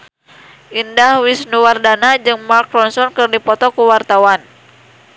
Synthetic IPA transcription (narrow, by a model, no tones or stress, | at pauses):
ʔindahwisnuwardanad͡ʒɨŋmarkɾɔnsɔnkɨrdipɔt̪ɔkuwart̪awan